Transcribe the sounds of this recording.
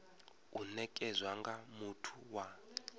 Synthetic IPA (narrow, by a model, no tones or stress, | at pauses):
unɛkʼɛzwaŋɡamutʰuwa